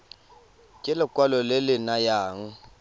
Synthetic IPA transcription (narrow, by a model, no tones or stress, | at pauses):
kʼɪlɪkʼwalɔlɪlɪnajaːŋ̩